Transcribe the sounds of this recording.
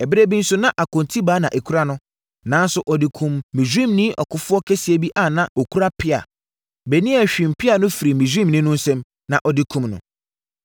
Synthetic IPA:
ɛ˨bɪ˦ɾe˦bĩ˦n̩˦sʊ˦nã˦ʔa˨kʊ̃˨ntʰi˦baː˦nã˨ʔe˨kʰu˦ɾa˦nʊ̃˦ | nã˦n˦sʊ˨ʔɔ˨dɪ˨kʰũ˨mːĩ˨zĩ˦mnĩ˦ʔɔ̰˨kʰʊ˦fʊ˦ɔ˦kʰe˦si˨e˨bi˦ʔa˦˨nã˨ɔ˨kʰu˦ɾa˦pʰɪ˦a̰˨ | bɛ˨nĩ˦æ˨ɕᶣĩ˨m̩˨pʰɪ˦a˨nʊ̃˦fi˨ɾi˨mĩ˨d͡ʑĩ˦mnɪ̃˦nʊ̃˦n̩˦sɛ̃˦m | nã˨ʔɔ˨dɪ˦kʰũ˦mnʊ̰̃˨

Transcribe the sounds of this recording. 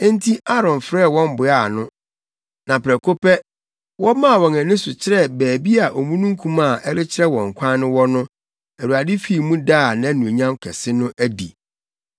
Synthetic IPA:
ẽ˦n˦tʰi˦ʔa˦ɾɔ̃˨nfɾɛ˦˨wɔ̃˦mbʊ˨a˦˨nʊ̃˦ | nã˨pʰɾɛ˨kʰo˦pʰɛ˦ | wɔ˦mã˦˨wɔ̃˨næ̃˨nĩ˦sʊ˨t͡ɕʰɪ˦ɾɛ˦bæː˨bi˦a˨ʔo˨mũ˦nũ˦ŋ˦kʰũ˦ma˦˨ʔɛ˦ɾɪ˦t͡ɕʰɪ˦ɾɛ˦wɔ̃˨ŋ̩˨kʷʰa˦nɪ̃˦wɔ˦nʊ̃˦ | æ˨ɾu˨a˨dɪ˦fi˨mũ˦da˦˨nã˦nũ˨e˨ɲã˦mkʰɛ˨sɪ˦nʊ̃˦ʔæ˦dḭ˨

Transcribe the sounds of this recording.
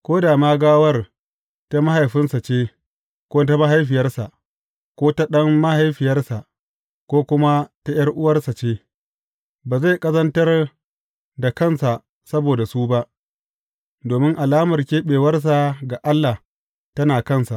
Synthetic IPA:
kʷoː˦daː˨maː˦ɡaː˦wɐ˦r | ta˦ma˦ha˨jɸɪ˦nsa˨t͡ʃeː˦ | kʷoː˦t̬a˦ma˦ɦa˦jɸɪ˨jɐ˦rsa˨ʔ | kʷoː˦ta˦ɗɐ˦mːa˦ha˨jɸɪ˨jɐ˦rsa˨ʔ | kʷoː˦kʷʊ˦ma˦ta˦jɐ˦rʔʊ˦wɐ˦rsa˨t͡ʃeː˦ | baː˨za˦˨jkʼɐ˦zɐ˦ntɐ˦r | da˨kɐ˦˨nsa˨ | sɐ˦boː˨da˨suː˦ba˦ʔ | doː˨mɪ˦ŋʔa˨laː˦mɐ˨rkʲeː˦ɓeː˨wɐ˦rs̬a˨ɡa˨ʔa˦lːa˨h | tɐ˦naː˨kɐ˦˨nsa˨ʔ

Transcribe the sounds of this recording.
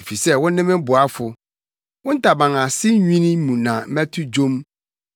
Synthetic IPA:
fi˨sɛ˦wʊ̃˦nɪ̃˦mɪ̃˦bʊ˨a˦fʊ˨ | wʊ̃˦n̩˦tʰa˨bã˨ŋã˨sɪ˦ɲᶣĩ˦nĩ˦mũ˨nã˨m̩˦mæ˦tʰʊ˦d͡ʑõ˦m

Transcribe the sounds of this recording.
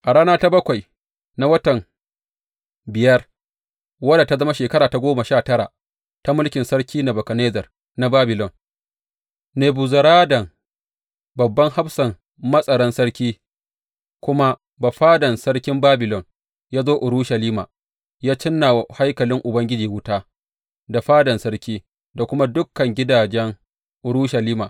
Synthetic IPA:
ʔa˨ɽaː˦naː˦ta˦bɐ˦kʷa˨j | na˦wɐ˦tɐ˨m | bɪ˨jɐ˦r | wɐ˦da˨ta˦zɐ˦ma˦ʃeː˨kɐ˦ɾaː˨ta˦ɡʷoː˦ma˨ʃaː˦˨tɐ˦ɾa̰˨ʔ | ta˦mʊ˦lkʲɪ˨nsɐ˦ɽkʲiː˦na˨bɐ˨kɐ˨neː˦zɐ˨r | na˦baː˦bɪ˨lɔ˨n | neː˨bu˨zɐ˨ɾaː˦dɐ˨ŋ | bɐ˨bːɐ˦ŋha˦ɸsɐ˨ŋ | mɐ˦sʼɐ˨ɽɐ˦nsɐ˦ɽkʲiː˦ | kʷʊ˦ma˦ | ba˨ɸaː˦dɐ˨nsɐ˦ɽkʲɪ˦mbaː˦bɪ˨lɔ˨n | jaː˦zoː˦ʔʊ˨ɾuː˦ʃɐ˨liː˦ma̰ː˨ | jaː˦t͡ʃɪ˦nːa˨wha˦jkɐ˨lɪ˦ŋʔʊ˨bɐ˦ŋɡʲɪ˦d͡ʒiː˨wʊ˦taː˦ | da˨ɸaː˦dɐ˨nsɐ˦ɽkʲiː˦ | da˨kʷʊ˦ma˦dʊ˦kːɐ˨ŋɡʲɪ˦daː˨d͡ʒɛ˦ŋ | ʔʊ˨ɾuː˦ʃɐ˨liː˦maː˨

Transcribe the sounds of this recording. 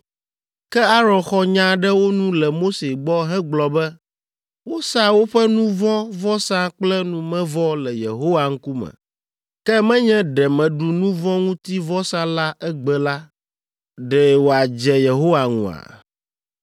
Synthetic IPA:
kɛ˦a˦ɾɔ̃˨xɔ˦ɲã˦ɖɛ˦wo˦nũ˦lɛ˨mo˦se˨ɡ͡bɔ˦ɦɛ̃˦ɡ͡blɔ˨bɛ˦ | wo˦sa˦wo˦ɸɛ˦nũ˦vɔ̃˦vɔ˦sã˦k͡plɛ˦nũ˨mɛ̃˦vɔ˦lɛ˨jḛ˨ɦo˦wa˨ŋ̩˦ku˦mɛ̰̃˨ | kɛ˦mɛ̃˦ɲɛ̃˦ɖɛ˨mɛ̃˨ɖu˨nũ˦vɔ̃˦ŋũ˦t̪i˦vɔ˦sã˦la˦ʔɛ˦ɡ͡bɛ˨la˦ | ɖɛ˨wo˨a˨d͡ʒɛ˨je˨ɦo˦wa˨ŋṵ̃˨a̰˨

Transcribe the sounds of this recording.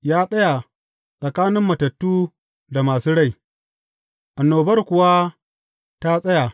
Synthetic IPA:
jaː˦sʼɐ˦ja˨ | sʼɐ˨kaː˦nɪ˦mːɐ˨tɐ˨tːuː˦ | da˨maː˨suː˦ɽa˦˨j | ʔa˨nːoː˨bɐ˦rkʷʊ˨wa˦ | ta˦sʼɐ˦ja˨

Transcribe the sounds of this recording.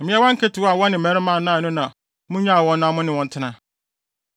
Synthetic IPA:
m̩˨mĩ˦ɛ˦wã˦ŋ̩˦kʰɛ˦tʰɪ˨wa˨wɔ˦nɪ̃˨ɛ̃˦ɾɪ˦mã˦˨nã˦˨nʊ̃˦nã˨ | mʊ̃˦ɲã˦˨wɔ̃˦nʊ̃˦a˦mʊ̃˦nɪ̃˨wɔ̃˨n˦tʰɪ˦nã˦

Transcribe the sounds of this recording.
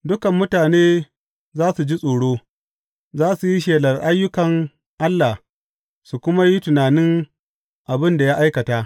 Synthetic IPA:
dʊ˦kɐ˨mːʊ˦taː˨neː˦ | zaː˦su˨d͡ʒi˦sʼoː˨ɽoː˦ | zaː˦su˨ji˦ʃeː˨lɐ˨rʔa˦jːʊ˦kɐ˨ŋ | ʔa˦lːa˨h | su˨kʷʊ˦ma˦ji˦tʊ˨naː˨nɪ˦ŋ | ʔa˨bɪ˦nda˨jaː˦ʔa˦jkɐ˨taː˦ʔ

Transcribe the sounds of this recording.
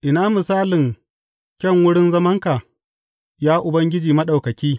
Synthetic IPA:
ʔɪ˨naː˦mʊ˨saː˦lɪ˨ŋ | kʲɐ˦˨ŋwʊ˦ɽɪ˦nzɐ˦mɐ˦ŋka˨ | jaː˦ʔʊ˨bɐ˦ŋɡʲɪ˦d͡ʒiː˨mɐ˦ɗa˨wkɐ˨kʲiː˦

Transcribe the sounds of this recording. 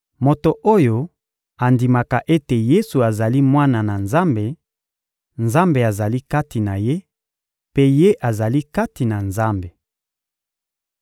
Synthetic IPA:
mo˨to˨ʔo˦jo˨ | a˨ndi˨ma˨ka˨ʔe˦te˨je˦su˨a˨za˨li˦mwa˦na˨na˨nza˦mbe˨ | nza˦mbe˨a˨za˨li˦ka˦ti˨na˨je˦ | pe˦je˦ʔa˨za˨li˦ka˦ti˨na˨nza˦mbe˨

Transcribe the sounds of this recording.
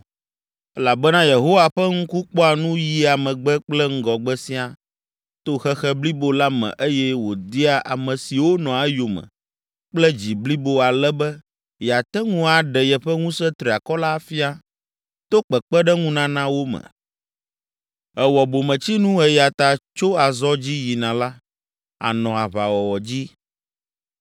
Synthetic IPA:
ɛ˦la˨bɛ˦nã˦je˨ɦo˦wa˨ɸɛ˦ŋũ˦ku˦k͡pɔ˦a˨nũ˦ji˦a˨mɛ̃˨ɡ͡bɛ˦k͡plɛ˦ŋ̩˦ɡɔ˨ɡ͡bɛ˦sĩ˦a˨ | t̪o˦xɛ˦xɛ˦bli˦bo˦la˦mɛ̰̃˨ʔe˦jɛ˦wo˨d̪i˦a˦ʔa̰˨mɛ̃˨si˨wo˦nɔ̃˨a˦jo˨mɛ̰̃˨ | k͡plɛ˦d͡ʑi˨bli˦bo˦a˨lɛ˦bɛ˦ | ja˨t̪ɛ˦ŋũ˦a˨ɖɛ˨jɛ˨ɸɛ˦ŋũ˦sɛ˦t̪ɾi˨a˨kɔ˦la˦fi˦a˦ | t̪o˦k͡pɛ˨k͡pɛ˦ɖɛ˦ŋũ˦nã˦nã˦wo˦mɛ̰̃˨ | ɛ˨wɔ˨bo˨mɛ̃˨t͡ɕi˦nũ˦ɛ˨ja˨t̪a˨t͡ʃo˦a˨zɔ˦d͡ʑi˦ji˨nã˨la˦ | a̰˨nɔ̃˨a˨βa˨wɔ˨wɔ˨d͡ʑi˦

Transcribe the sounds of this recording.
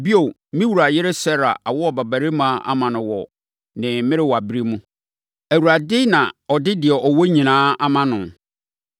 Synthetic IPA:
bi˦o˨ | mĩ˦wu˨ɾa˨jɪ˦ɾɪ˦sɛ˦ɾa̰˨ʔa˨wɔ˦ɔ˨ba˨bæ˨ɾɪ˦mã˦ʔa̰˦mã˨nʊ̃˨wɔ̰˨ | nɪ̃˨mɪ̃˦ɾɪ˦wɔ˨a˨bi˦ɾi˦mũ˦ | æ˨wu˨ɾa˨dɪ˦nã˨ɔ˨dɪ˦dɪ˨ɛ˨ʔɔ˨wo˦ɲĩ˨nãː˦a˦mã˦nʊ̃˨

